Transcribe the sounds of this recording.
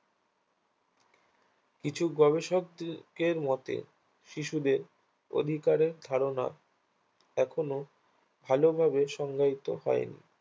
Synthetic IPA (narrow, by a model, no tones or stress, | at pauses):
kit͡ɕʰuɡɔβeʃok̚d̪keɾmɔt̪ḛ | ʃiʃud̪eɾ | o̰d̪ʱikaɾeɾd̪ʱaɾona̰ | ɛkʰono | bʱalobʱabeʃɔŋɡait̪oɦɔ̰enḭ